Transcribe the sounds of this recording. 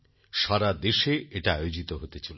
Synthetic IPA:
ʃaɾad̪eʃeeʈaajod͡ʑit̪oɦot̪et͡ɕol

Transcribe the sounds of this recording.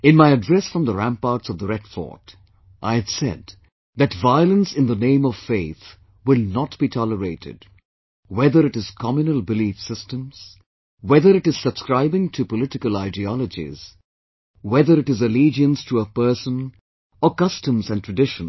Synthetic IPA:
ɨ̃nmaɪɨdɹɛsfɹʌ̃mðəɹæ̃mpɑɹtsʌvðəɹɛdfɔ̰t | ʔaɪɨd̥sɛ̰d̪ | ðɨtvaɪlˠə̃nsɪ̃nðənẽɪ̃mʌv̥feɪθ | wɪlˠnət̚b̥itʰɑləɹeɪɾɪ̰d | wɛðə˞ɨɾɨz̥kʰɑmjɨnəlˠbɨlifsɪstə̃mz̥ | wɛðə˞ɨɾɨz̥səb̥skɹaɪbɪ̃ŋtʰɨpəlɪɾɪkəlˠaɪdiɔləd͡ʒḭz̥ | wɛðə˞ɨɾɨzəlid͡ʒiɨ̃nstʰəəpɜ˞sə̃n | əkʌstə̃mzɨ̃ntʰɹ̥ɨdɪʃn̩

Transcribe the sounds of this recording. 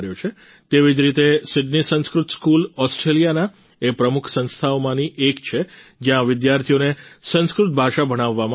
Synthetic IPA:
ɾjot͡ʃʰe | t̪eʋid͡ʒɾit̪esɪɖnisə̃ñskɾʊt̪skulɔsʈɾelijana | epɾəmʊkʰsə̃nst̪ʰaomãniʔekt͡ʃʰed͡ʒjãʋɪd̪jaɾt̪ʰijonesə̃nskɾʊt̪̚bʱaʃabʱəɽ̃aʋːam

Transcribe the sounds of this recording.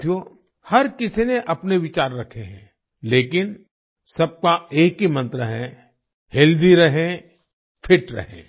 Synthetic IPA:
jo | hɐɾkɪsineʔɐpneʋɪt͡ʃaːɾːɐkʰeɦɛ̰̃ː | leːkɪn | sɐb̚kaeːkɦimɐ̃nt̪ɾəɦɛ | hɪld̪iɾɐɦẽ | pʰɪʈɾɐ̰ɦḛ̃ː

